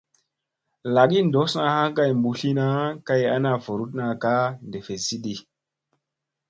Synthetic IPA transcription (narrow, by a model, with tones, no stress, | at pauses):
la˨ɡi˦ndo˨˦sna˨ha˦ka˦jmbu˨ɬi˦na˦ka˦ja̰˦na˨vo˨ɾu˦t̚na˨ka˦nde˨fe˨si˦ɗi˨